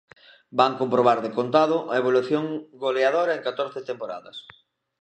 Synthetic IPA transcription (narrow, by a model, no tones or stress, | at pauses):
baŋkompɾoβaɾðekont̪aðʊʔɐeβ̞oluθjoŋɡoleaðoɾɐeŋkat̪oɾθɪt̪empoɾa̰ðɐs